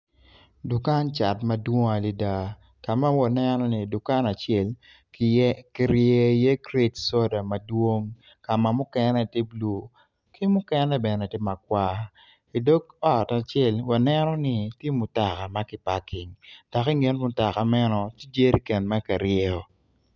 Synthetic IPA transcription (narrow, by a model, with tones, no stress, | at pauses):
dʊ˨ka˦nt͡ʃa˨tma˨dwo˦ŋa˨li˨da˨ | ka˨ma˦wa˨nɛ˦nɔ˦ni˨dʊ˨ka˦na˨t͡ʃɛ˦˨l | ki˨ɾje˨je˦kɾe˦tso˦da˨ma˨dwo˦ŋ | ka˨ma˨mʊ˦kɛ˦nɛ˦ti˦blu˨ | ki˦mʊ˦kɛ˦nɛ˦bɛ˨nɛ˨te˦ma˨k̚wa˦ | i˨do˦kɔ˦˨ta˨t͡ʃɛ˦˨lwa˨nɛ˦nɔ˦nɪ˦tje˦mʊ˨ta˨ka˨ma˦kɪ˨pa˨kɪ˨ŋd̥a˨kɪ˦ŋe˦nmʊ˨ta˨ka˨mɛ˦nɔ˨ti˦d͡ʒe˦ɾi˦kɛ˨nma˦ka˨ɾjɛ˦ɔ˨